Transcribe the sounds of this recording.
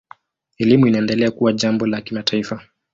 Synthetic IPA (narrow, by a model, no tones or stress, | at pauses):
ɛlimuinaɛndɛlɛakuwaʄambɔlakimatʰaifa